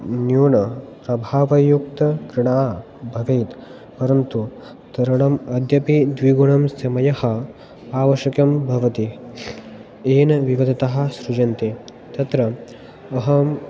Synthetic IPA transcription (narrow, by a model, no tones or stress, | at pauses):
njuːɳɐpɾɐbʱaːʋɐjukt̪ɐkɾɪɽaː | bʱɐʋeːt̪ | pɐɾɐnt̪u | t̪ɐɾɐɽɐmɐd̪ʱjɐpid̪ʋiɡuɳɐmsɐmɐjɐhɐ̆ | aːʋɐʃɐkɐmbʱɐʋɐt̪i | eːnɐʋiʋɐd̪ʱɐt̪ɐɦɐ̆sɾud͡ʒɐnt̪e | t̪ɐt̪ɾɐ | ɐɦɐm